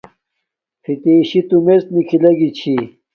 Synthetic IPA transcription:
fʰit̪iːɕit̪umest̪nikʰilɐɡit͡ɕʰi

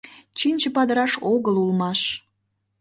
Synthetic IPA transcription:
t͡ɕinʲt͡ɕə̆pɑd̪əɾɑʃoɣəlulmɑʃ

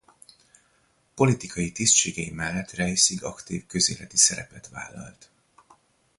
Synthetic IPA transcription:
po̞lit̪ikʰɒjit̪ist̪ʃeːɡɛjimɛlːɛt̪rɛjsiɡɒkt̪iːvkø̞zḛːlɛt̪isɛɾɛpɛt̪ʋa̰ːlːɒ̰lt̪

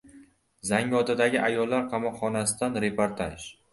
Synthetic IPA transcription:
zaŋɡɒt̪ʰad̪aɡʲɪʔajɒlːaɾqʰɑmɒqχɒnasɪd̪anɾe̞poɾt̪ʰaʃ

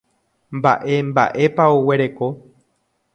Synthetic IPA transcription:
mba̰ʔe̞mba̰ʔe̞paowe̞ɾeko̞

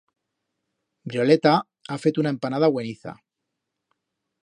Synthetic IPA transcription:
bɾjo̞le̞t̪a | afe̞t̪unae̞mpanaðaɣwe̞niθa̰

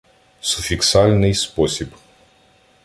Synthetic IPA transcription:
sʊfʲiksɑlʲnɪjspɔsʲib

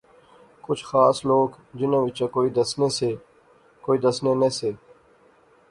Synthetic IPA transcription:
kʊt͡ʃʰxaːsloːɡ | d͡ʒɪnẽːʋɪt͡ʃãːkoːiːd̪əsneːseː | koːiːd̪əsneːneseː

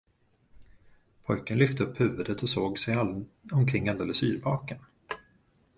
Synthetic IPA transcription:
pʰɔjkənlʏft̪əɵpːhʉ̟ːvɵd̪ət̪ɔsoːɡsɛjaɔmkʰɾɪŋːald̪eːləsy̰ːɾvɑːkən

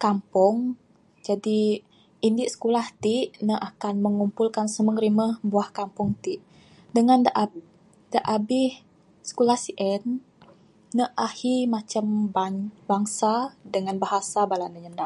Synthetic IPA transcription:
kampɔŋ | d͡ʒadi | ʔindiʔsə̥kulaht̪iʔnəʔakanməŋumpulkansəməŋəɾiməbuahkampʊŋt̪iʔ | dəŋandʔ | daʔabɪh | sə̥kulahsiʔɛnː | əʔahimat͡ʃam | baŋsadəŋanbaɦasabalanəɲəndaʔ

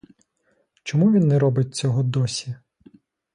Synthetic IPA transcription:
t͡ʃɔmuʋʲinːɛɾɔbɪt̚ʲt͡sʲɔɦɔd̪ɔsʲi

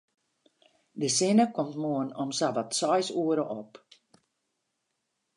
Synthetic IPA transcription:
dəsɪnəkɔmtmuənɔmsabatsɔjsuəɾəʔɔp

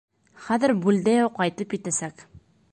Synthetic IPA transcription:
χæðɘɾbʉld̪æjɑwqɑjt̪ɤpjɘ̆t̪æsæk

